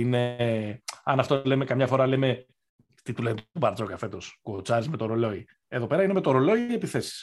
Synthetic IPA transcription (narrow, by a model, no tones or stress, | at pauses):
ine̞ | ɐnɐft̪o̞le̞mekɐmɲɐfo̞ɾɐleme | t̪it̪ulenet̪ubɐɾt͡so̞kɐfe̞t̪o̞skuot͡sɐɾizme̞t̪o̞ɾolo̞i | e̞ðo̞pe̞ɾɐine̞me̞t̪oɾolo̞iepiθe̞si̥s